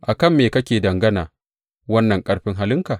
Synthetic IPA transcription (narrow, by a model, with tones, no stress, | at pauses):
ʔa˨kɐ˦˨mːeː˨kɐ˦kʲeː˨dɐ˨ŋɡɐ˦naː˨ | wɐ˦nːɐ˨ŋkʼɐ˦ɽɸɪ˦ŋɦa˦lɪ˦ŋkaː˨ʔ